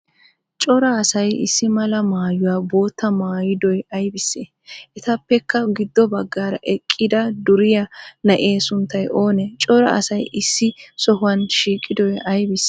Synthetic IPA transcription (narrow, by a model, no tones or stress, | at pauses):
t͡ʃʼɔɾɐːsɐjɪ̰sːɪmɐlɐmaːjʊwaːbo̞ːt̪ːɐmaːjɪd̪ɔjɐjbɪsːe | ʔɛt̪ɐpːɛkːɐɡɪd̪ːɔbɐɡːaːɾɐ̰ʔɛkʼːɪd̪ɐd̪ʊɾɪjɐnɐʔe̞ːsʊnt̪ːɐjʔo̞ːnɛt͡ʃʼɔɾɐ̰ɐ̰sɐjʔɪsːɪsɔɦʊwɐnʃiːkʼːɪd̪ɔjɐjbɪs